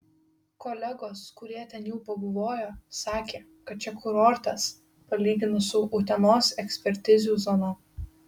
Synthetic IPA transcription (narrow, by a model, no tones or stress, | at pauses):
koːlʲɛɡoːskʊɾʲiɛt̪ʲɛnjɛʊpɐbʊʋoːjoːsɑːkʲeː | kɐt̪̚t͡ʃʲɛkʰʊɾɔɾʲt̪ɐs | pɐlʲiːɡʲɪnʊsʊʔʊːt̪ʲɛnoːsɛksʲpʲɛɾʲt̪ʲɪzʲuːzɔno